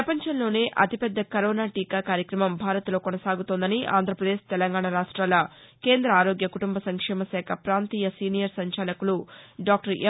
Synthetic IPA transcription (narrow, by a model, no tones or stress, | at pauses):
pɾɐpɐɲt͡ʃɐnlo̞ːne̞ːʔɐ̰t̪ipɛd̪ːɐkɐɾoːnaːʈiːkaːkaːɾjɐkɾɐmɐmbʱaːɾɐt̪lo̞ːkonɐsaːɡut̪ond̪ɐniʔa̰ːnd̪ʱɾɐpɾɐd̪eːʃt̪ɛlɐŋɡaːɳɐɾaːʂʈɾaːlɐ | ke̞ːnd̪ɾɐaːɾo̞ːɡjɐkuʈumbɐsɐŋkʂɛːmɐsɛːkʰɐpɾaːnt̪iːjɐsiːnijɐɾsɐɲt͡ʃaːlɐkuluɖaːk̚ʈɐɾe